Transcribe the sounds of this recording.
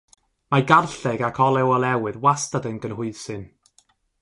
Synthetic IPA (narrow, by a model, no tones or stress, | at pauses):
maɡarɬɛɡakʰɔlˠɛwɔlˠɛwɨðwastadənɡənɦʊɨsɨn